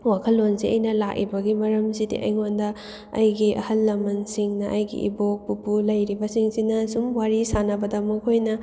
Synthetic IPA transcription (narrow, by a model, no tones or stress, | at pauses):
wakʰɐlːonsiɐ̰jnɐlak̚ḭbɐɡimɐɾɐmsidḭʔɐ̰jŋondɐ | ɐ̰jɡiʔɐ̰hɐlːɐmɐnsiŋnɐʔɐjɡḭʔḭbok̚pupulɐjɾibɐsiŋsinɐsumwaɾisanɐbɐdɐmɐkʰojnɐ